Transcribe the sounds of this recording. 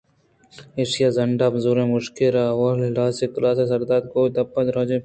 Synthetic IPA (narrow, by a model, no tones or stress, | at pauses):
eːsijazɐɳɖaːbzuːɾẽmʊʃkɪɾawaːllaːseklaːsesɐɾd̪aːd̪̚koːd̪ɐpːɐt̪ɾoːd͡ʒe